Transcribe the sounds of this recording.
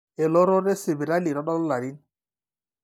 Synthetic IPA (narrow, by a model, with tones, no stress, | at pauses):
e˨lɔ˦ɾɔ˦ɾɛ˦se˨bi˨ɾa˦li˨ɾɔ˦ɗɔ˦lla˨ɾi˦n